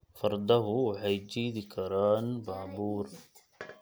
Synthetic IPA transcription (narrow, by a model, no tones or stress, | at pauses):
fɑɾˤd̪ˤɑɦuwħajd͡ʒiːd̪ikʰaɾˤaːnbaːbuːɾ